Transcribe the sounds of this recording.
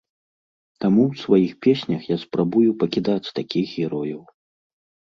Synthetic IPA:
t̪amuwsvajixpʲesʲnʲɐxjaspɾabujupɐkʲid̪at͡sʲt̪akʲixɣʲɛɾɔjɐw

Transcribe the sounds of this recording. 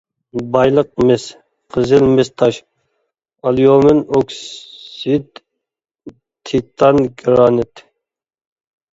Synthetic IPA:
bɑjlˠəq̚mɪs | qʰəzɪlmɪst̪ʰɑʃ | ɑljomɪnokssit̪ | t̪ʰːit̪ʰɑnɡɾɑːnɪt̪ʰ

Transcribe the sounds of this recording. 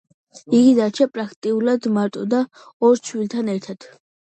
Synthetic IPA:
iɡid̪at͡ʃʰapʼɾakʰt̪ʼiulad̪maɾt̪ʼɔd̪a | ɔɾt͡ʃʰwilt̪ʰanɛɾt̪ʰat̪ʰ

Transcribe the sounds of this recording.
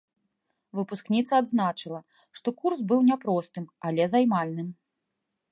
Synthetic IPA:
vɨpusknʲit̪sɐad̪znat͡ʂɨlˠɐ | ʂt̪ɔkursbɨwnʲɛpɾɔst̪ɨmalʲɛzajmalʲnɨm

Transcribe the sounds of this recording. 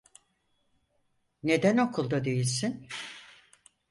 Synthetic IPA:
ne̞d̪æno̞kʰulˠd̪ad̪e̞jilʲsin

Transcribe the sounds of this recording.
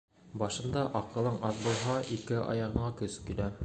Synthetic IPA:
bɑʃɤ̆nd̪ɑʔɑqɤ̆lˠɤɴɑðbulˠɦɑʔikɘʔɑ̰jɑʁɤ̆ɴɑkɵskilæ

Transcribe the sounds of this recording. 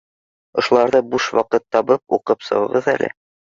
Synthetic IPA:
ŏʃulˠɑɾðɤbuʃwɑqɤt̪ːɑβɤp̚uqɤpsɤ̰̆wɤ̆ʁɤðælʔɘ̰

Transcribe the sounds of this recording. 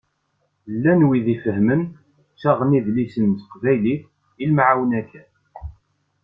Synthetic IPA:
lːænwiðifəɦmən | ʃæʁəniðlisənt̪ə̥qvæjliθ | ilmʕawnækæ

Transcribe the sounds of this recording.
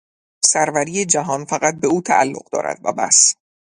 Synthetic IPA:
sæɾvæɾiːje̞d͡ʒæɦɒːnfæɣæt̪̚be̞uːt̪ʰæ̰ʔælːo̞̰ɢd̪ɒ̰ːɾʔæ̰d̪̥væ̰bæ̰s

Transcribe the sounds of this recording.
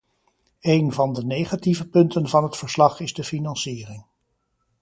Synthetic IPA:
ejnvɑndənejχativəpɵntənvɑnɦətfəɹslɑχɪzdəfinɑnsiːrɪŋ

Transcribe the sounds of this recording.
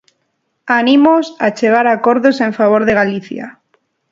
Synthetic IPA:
anĩmosat͡ʃe̞ɣ̞aɾako̞ɾðosẽ̞ɱfaβ̞oɾðe̞ɣ̞aliθja̰

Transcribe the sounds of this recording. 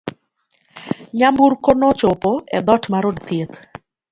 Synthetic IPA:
ɲamburkonɔt͡ʃopɔɛ̰d̪ɔtmaɾodt̪jet̪

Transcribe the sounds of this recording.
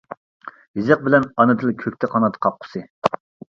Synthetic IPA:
jizɨq̚bɪlɛnɑnɨd̪ɨlkʲʰøk̚ʲt̪ʰɛqʰɑnɑt̪qʰɑp̚qʰʊ̥sɨ

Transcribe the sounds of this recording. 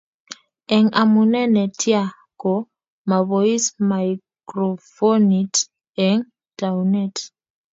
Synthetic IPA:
ɛŋamunɛnɛtʰja | kɔ | maβɔismajkɾɔfɔnit | ɛŋ | tawnɛt

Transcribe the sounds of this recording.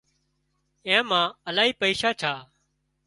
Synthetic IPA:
ẽːmãːəlaːɦiːpəiːʃaːt͡ʃʰaː

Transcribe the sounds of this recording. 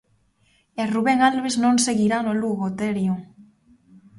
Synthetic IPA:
eruβeŋalβeznõŋseɣiɾanoluɣot̪eɾjuŋ

